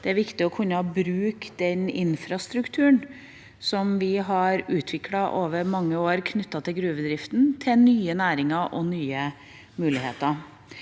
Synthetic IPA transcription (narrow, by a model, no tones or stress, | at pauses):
d̪̥ɛæɾʋɪkt̪ɪɔkʰʉnːəhɑbɾʉːkd̪̥ɛnɪnfɾɑst̪ɾʉkt̪ʰʉːn | sɔmʋɪɦɑɾʉːt̪ʰʋɪkʰlɑʔoːʋəɾmɑŋːəoːɾkʰnʏt̪ːɑt̪ʰɪlɡɾʉːbəd̪ɾɪft̪n̩t̪ʰɪlnyːənæːɾɪŋɑʔɔnyːə | mʉːlɪhḛːt̪ɑ